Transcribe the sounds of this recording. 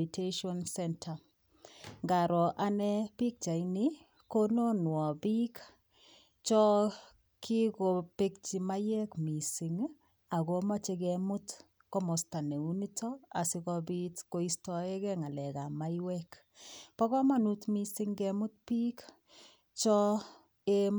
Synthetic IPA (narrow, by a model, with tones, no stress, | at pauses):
i˨te˦ʃɔ˦nsɛ˦ntʰa˨ | ŋɡa˨ɾɔ˨ʔa˦nɛ˦pi˦k̚t͡ʃa˨ini | ko˦no˦nwɔ˨bi˦k | t͡ʃɔ˦ | kʰi˦ko˨pe˦k̚t͡ʃi˨ma˦jɛ˦kmi˨si˨ŋ | a˨ko˦ma˦t͡ʃe˧kɛmʊ˦t | kɔ˦mo˨sta˨ne˨u˦ni˦tɔ˦a̰˨si˨˦kɔ˧bi˦tko˦i˦stɔ˨e˦kɛ˦ŋa˨lɛ˨ka˨ma˦i˦wɛ˦k | pɔ˦kɔ˦ma˦nutmi˦si˦ŋɡɛ˦mʊ˦t̚pi˦k | t͡ʃɔ˦ | e˦